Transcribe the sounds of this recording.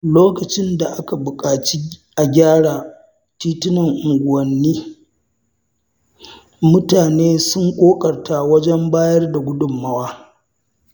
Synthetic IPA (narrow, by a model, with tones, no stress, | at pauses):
loː˦kɐ˨t͡ʃɪ˦nda˨ʔa˦ka˨bʊ˨kʼaː˨t͡ʃi˦ʔa˨ɡʲaː˦ɽaː˨ | tiː˦tʊ˦nɐ˨ŋʔʊ˨ŋɡʷʊ˨wɐ˨nːiː˦ | mʊ˦taː˨neː˦sʊ˦ŋkʷʼoː˦kʼɐ˨rta˨wɐ˦d͡ʒɛ˦mbaː˦jɐ˦rda˨ɡʷʊ˦dʊ˨mːa˦waː˦